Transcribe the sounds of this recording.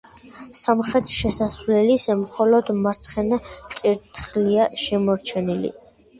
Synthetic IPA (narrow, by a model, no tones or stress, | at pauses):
samχɾɛt̪ʰʃɛsasvlɛlisɛmχɔlɔd̪maɾt̪sʰχɛnat̪sʼiɾt̪ʰχliaʃɛmɔɾt͡ʃʰɛnilḭ